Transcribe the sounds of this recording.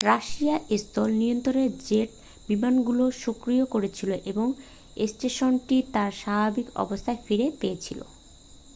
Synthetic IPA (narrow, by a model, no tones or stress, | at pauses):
ɾaʃiaʔest̪ɔlnijont̪ɾoɾeɾd͡ʑeʈ | bimanɡuloʃokɾijokoɾet͡ɕʰiloʔeboŋ | esʈeʃonʈit̪aɾʃabʱabikɔ̰bost̪ʰaefiɾepeet͡ɕʰilo̰